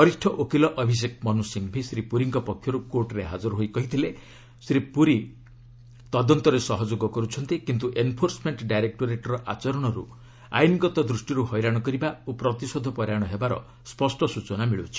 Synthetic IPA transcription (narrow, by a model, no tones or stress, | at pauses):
ɔɾisʈʰɔʔokilɔʔɔbʱis̬ek̚mɔnusiŋbʱisɾipuɾiŋkɔpɔkʰːjɔɾukoɾʈɾeɦad͡ʒɔɾɔɦojkɔɦit̪ʰile | sɾipuɾi | t̪ɔd̪ɔnt̪ɔɾesɔɦɔd͡ʒoɡɔkɔɾut͡ʃʰɔnt̪ikint̪uʔenpʰoɾsmeɳʈɖajɾek̚ʈoɾeʈɾɔʔat͡ʃɔɾɔɽ̃ɔɾṵ | a̰jniɡɔt̪ɔd̪ɾusʈiɾuhɔjɾaɽ̃ɔkɔɾibaopɾɔt̪isod̪ʱɔpɔɾjaɽ̃ɔɦebaɾɔ̰ | spɔsʈɔsut͡ʃɔnamiɭut͡ʃʰi̥